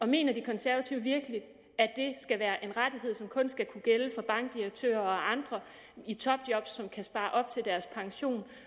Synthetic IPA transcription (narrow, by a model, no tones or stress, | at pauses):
ɒ̽me̝̰ːnɐd̥ikʰɒ̽nsæɐʋæt͡sʰiʊʋiɐɡ̥əlid̥ | æd̥e̝sɡ̥æʋæːɐʔe̝nʁad̥iɦe̝ð̞̰ˠsɒ̽mkʰɔ̽nsɡ̥ækʰuɡ̥eləfɒ̽b̥ɑ̈ŋɡ̥̚d̥iʁeɡ̥̚t͡sʰø̰ːɐɒ̽ʔɑ̈nd̥ʁɐ | it͡sʰɒ̽b̥d̥jɒ̽b̥sːɒ̽mkʰæsb̥ɑ̈ːʔɒ̽b̥̚t͡sʰe̝ld̥æɐspʰɑ̈ŋɕo̝̰ːn